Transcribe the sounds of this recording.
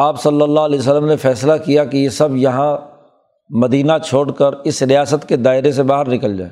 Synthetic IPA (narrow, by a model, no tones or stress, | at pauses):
aːpsɐlːəlːaɦɐlɛːs̬əlːəmnefɛːslakijakejesɐbjɐɦã | mɐd̪iːnat͡ʃʰoːɽkəɾɪsɾɪjaːsət̪ked̪aːɪɾesebaːɦəɾnɪkəld͡ʒa̰ːeː